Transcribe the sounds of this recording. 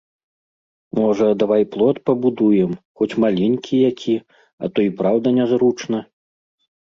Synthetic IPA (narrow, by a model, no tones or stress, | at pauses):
mɔʐɐd̪avajplˠɔt̪pɐbud̪ujɛmxɔt͡sʲmalʲenʲkʲʰijakʲʰi | ɐ̰t̪ɔipɾawd̪ɐnʲɛzɾut͡ʂnɐ